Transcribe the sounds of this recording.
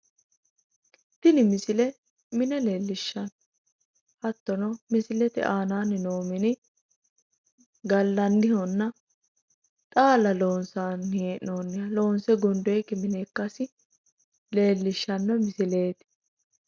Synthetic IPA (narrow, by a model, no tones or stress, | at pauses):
t̪ɪnɪmɪsɪlɛ | mɪnɛle̞ːlːɪʃːɐn | hɐt̪ːɔnɔmɪsɪlɛt̪ɛ̰ʔaːnaːnːɪno̞ːmɪnɪ | ɡɐlːɐnd̪ɪhɔnːɐ | t̪ʼaːlɐlo̞ːnsaːneːnoːnːɪjɐlo̞ːnsɛɡɔnd̪ɔɛkːɪmɪnɛːkːɐsɪ | le̞ːlːɪʃːɐnːɔmɪsɪle̞ːt̪ɪ̥